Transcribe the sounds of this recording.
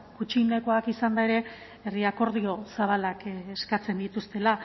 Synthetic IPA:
kut͡ʃine̞ko̞akisand̪ae̞ɾe̞ | eriako̞ɾðio̞saβ̞alakeskat͡se̞nd̪it̪ust̪e̞la

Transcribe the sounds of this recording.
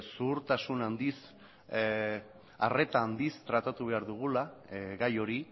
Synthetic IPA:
suːɾt̪asunand̪is | are̞t̪aːnd̪ist̪ɾat̪at̪uβe̞aɾðuɣ̞ulaɣajo̞ɾi

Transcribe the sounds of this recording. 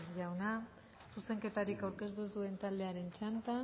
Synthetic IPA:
ʝawna | suse̞ŋke̞t̪aɾikawɾke̞st̪uzd̪ue̞nt̪ald̪e̞aɾe̞nt͡ʃant̪a

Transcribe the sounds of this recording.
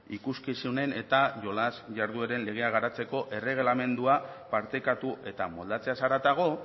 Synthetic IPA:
ikuskisune̞ne̞t̪aʝo̞lazʝaɾðueɾe̞nle̞ɣ̞e̞aɣ̞aɾat͡se̞ko̞ʔe̞re̞ɣ̞lame̞nd̪uapaɾt̪e̞kat̪uʔe̞t̪amo̞ld̪at͡se̞asaɾat̪aɣ̞o̞

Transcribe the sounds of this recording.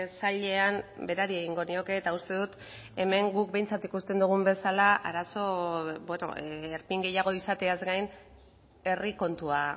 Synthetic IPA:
saʎe̞ambe̞ɾaɾie̞ɣiŋɡo̞nio̞ke̞ːt̪aust̪e̞ðut̪ | e̞me̞ŋɡuk̚be̞jnt͡sat̪ikust̪e̞nd̪uɣ̞umbe̞salaʔaɾaso̞bweno̞̰ːɾpiŋɡe̞jaɣ̞o̞isat̪e̞azɡajn | e̞riko̞nt̪ua

